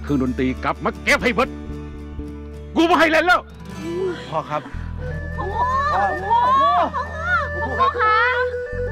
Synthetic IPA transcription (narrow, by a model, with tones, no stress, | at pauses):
kʰɯː˧ŋdoː˧nt̪iː˧ka˨˦˥p̚ma˧˩kkːɛː˦˥˩p̚ha˧˩jbɤ˧˥t̪̚ | kuː˧˩bɔː˧˩ɦa˧˩jlɛː˧˩nlɛː˧˩w | pʰɔː˧˩kʰa˦˥p̚ | ɔ˧kʰa˧˥